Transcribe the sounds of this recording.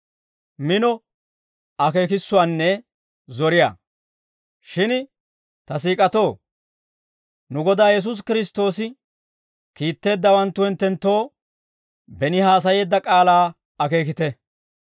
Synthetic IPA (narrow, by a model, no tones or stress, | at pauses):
mɪnɔ | ɐke̞ːkɪsːʊwaːnːɛ | zɔɾɪja̰ː | ʃɪn | t̪ɐs̬iːkʼɐt̪o̞ː | nʊɡɔd̪aːjɛs̬us̬kɪɾɪs̬t̪o̞ːsɪ | kiːt̪ːe̞ːd̪ːɐwɐnt̪ːʊhɛnt̪ːɛnt̪ːo̞ː | bɛnɪhaːs̬ɐje̞ːd̪ːɐkʼaːlaː | ɐke̞ːk̬ɪt̪ɛ